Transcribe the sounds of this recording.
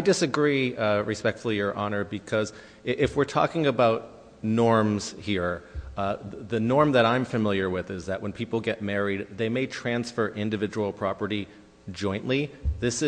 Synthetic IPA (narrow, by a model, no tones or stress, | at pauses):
aɪdɨsɨɡɹiɹɨspɛk̚tfl̩ˠijə˞ʔɑnə˞bɨkʰʌz | ʔɪfwɨɹtʰɔ̰kɪ̃ŋɨbaʊt̚ | nɔɹmz̥hiɹ | ðɨnɔɹmðɨɾãɪ̃ɱfɨmɪlˠjə˞wɪðɪzðɨʔ̚wə̃npʰipl̩ˠɡɛt̚mɛɹid̪̚ðeɪmeɪtʰɹ̥æ̃nsfə˞ʔɪ̃ndɨvɪd͡ʒəwl̩ˠpʰɹ̥ɑpə˞ɾi | d͡ʒɔ̃ɪ̃nʔliðɪsɨ